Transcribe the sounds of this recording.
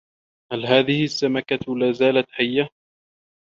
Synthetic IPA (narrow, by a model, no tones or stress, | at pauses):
halɦaːðɪhɪsːamakalaːzaːlat̪ħajːa